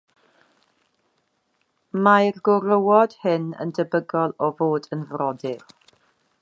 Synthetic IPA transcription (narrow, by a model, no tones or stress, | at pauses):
marɡʊɾəwɔd̥hɪnə̰ndəbəɡɔlˠɔvoːdənvrɔdɪr